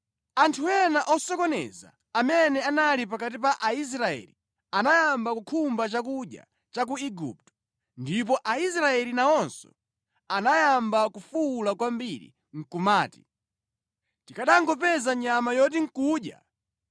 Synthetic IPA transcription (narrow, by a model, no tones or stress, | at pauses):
antʰuɛnaʔɔsɔkɔnɛ̰za̰ːmɛnɛanalip̬akat̬ip̬aʔais̬ɾaɛ̰li | anajambakukʰumbat͡ʃakuɗa̰ | t͡ʃak̬uiɡṵp̚tɔ̥ | ndip̬ɔʔais̬ɾaɛlinaɔnsɔ̰ | anajambakufuːlakwambiɾḭ | ŋ̩kumaːti̥ | tikaɗaŋɡɔpɛzaɲamajɔt̬iŋ̩kuːɗja̰